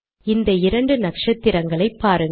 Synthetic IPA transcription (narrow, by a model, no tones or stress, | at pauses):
ɪnd̪ɐɪɾɐɳɖɯnɐkʂɐt̪ːɪɾɐŋɡɐɭɐɪpːaːɾɯŋ